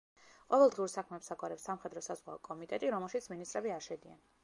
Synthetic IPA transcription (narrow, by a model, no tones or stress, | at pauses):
qʼɔvɛlˠd̪ʁiuɾsakʰmɛpsaɡwaɾɛpsamχɛd̪ɾɔsazʁwa̰ɔkʼɔmit̪ʼɛt̪ʼiɾɔmɛlˠʃit̪sʰminist̪ʼɾɛbiaɾʃɛd̪ia̰n